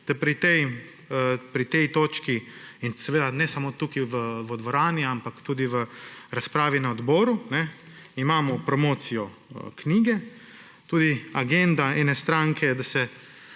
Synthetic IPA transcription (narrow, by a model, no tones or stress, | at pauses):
t̪ɛpɾit̪ɛj | pɾit̪ɛjt̪oːt͡ʃkiinsɛʋeːd̪anɛsamot̪uːkiʋəʋɔd̪ʋɔɾaːniampakt̪uːd̪iʋəɾaspɾaːʋinaɔd̪bɔːɾunɛ | imaːmɔpɾɔmoːt̪sijɔ | kniːɡɛ | t̪uːd̪iaɡɛnd̪aɛnɛst̪ɾaŋkʰɛd̪asɛ